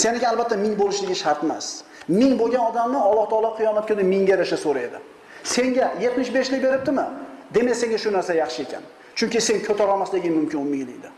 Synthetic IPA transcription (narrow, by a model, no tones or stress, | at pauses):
senɪɡʲaːlˠbat̪ːamɪŋbolɪʃlɪɡʲɪʃaɾt̪ɪma̰s | mɪŋbolˠɡʲanɒd̪amnɪɒlˠːɒht̪ʰɒlˠap̚qʰɨjɒnap̪̚kʲed̪ɪmɪŋɡʲad̪aʃasoɾaed̪ɪ | se̞ŋɡʲajet̪mɪʃbe̞ʃlɪjʲbe̞ɾɪp̚t̪ɪmɪd̪e̞mese̞ŋɡʲaʃʊnaɾsajɑχʃɪe̞kʲʰa̰n | t͡ʃʰʊŋkʲɪse̞ŋkʰɵt̪ʰaɾɒlˠmaslɪɡʲɪnmʊmkʲɪnʊmːɪjlɪjd̪ɪ